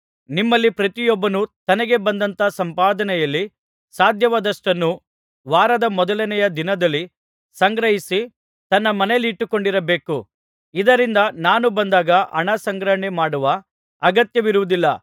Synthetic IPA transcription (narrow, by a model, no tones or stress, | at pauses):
nimːɐlːipɾɐt̪ijɔbːɐnut̪ɐnɐɡe̞bɐnd̪ɐnt̪ɐsɐmpaːd̪ɐnɛjɐlːi | saːd̪ʱjɐʋɐd̪ɐʂʈɐnːu | ʋaːɾɐd̪ɐmɔd̪ɐlɐnɛjɐd̪inɐd̪ɐlːi | sɐŋɡɾɐɦisi | t̪ɐnːɐmɐnelːiːʈːuko̞ɳɖiɾɐbe̞ːku | id̪ɐɾind̪ɐnaːnubɐnd̪aːɡɐʔɐ̰ɳɐsɐŋɡɾɐɦɳemaːɽuʋɐ | ɐɡɐt̪jɐʋiɾuʋud̪ilːɐ